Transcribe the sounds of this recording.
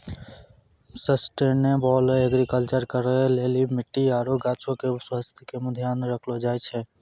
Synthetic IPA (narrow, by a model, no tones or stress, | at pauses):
səsʈenebɔleɡɾikəlt͡ʃəɾkəɾɛlelimiʈːiaɾoɡat͡ʃokeswast̪ʰi̥keməd̪ʱjanɾəkʰlɔd͡ʒajt͡ʃʰɛ